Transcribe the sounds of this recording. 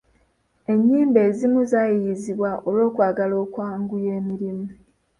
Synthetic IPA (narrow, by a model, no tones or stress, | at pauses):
e̞ɲːiːmbe̞ːzimuzajijiziβwaʔolo̞ːkwaːɡalo̞ːkwaːŋɡuje̞ːmiɾimu